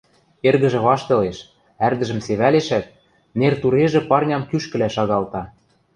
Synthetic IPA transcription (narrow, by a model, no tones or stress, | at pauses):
erɣɘ̆ʒɘ̆βɑʃt̪ɤ̆leʃ | ærd̪ɘ̆ʒɘ̆mseβæleʃæt̪̚ | nert̪uɾeʒĕpɑrnʲɑmkyʃkɘ̆læʃɑɣɑlt̪ɑ